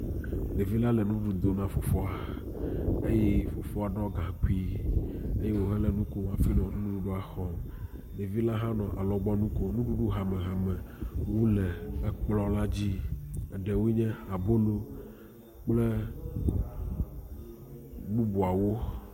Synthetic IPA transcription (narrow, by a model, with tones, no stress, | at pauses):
ne˨vi˦la˦lɛ˨nũ˦ɖu˨d̪o˨nã˦fo˨fɔ˦a˨ | e˦je˦fo˨fɔ˦a˨ɖɔ˦ɡã˨ki˦ | e˦je˦wo˦ɦɛ˦lɛ˨nũ˦ko˦wa˨fi˦nɔ̃˨nũ˦ɖu˦ɖo˦a˨xɔ˨ | ne˨vi˦la˦ɦã˦nɔ̃˨ʔa˨lɔ˨ɡ͡bɔ˦nũ˦ko˦nũ˦ɖu˦ɖu˦ɦa˨mɛ̃˨ɦa˨mɛ̃˨wu˦lɛ˨ɛ˦k͡plɔ˦la˦d͡ʑi˦ɛ˨ɖɛ˨wu˦ɲɛ̃˦a˨bo˦lo˦ | k͡plɛ˦ | bu˦bu˨a˨wo˦